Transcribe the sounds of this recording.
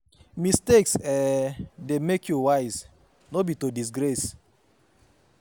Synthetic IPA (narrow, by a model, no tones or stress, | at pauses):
misteksɛdemekʰjuwaɪz | nobitodis̬ɡɾɛs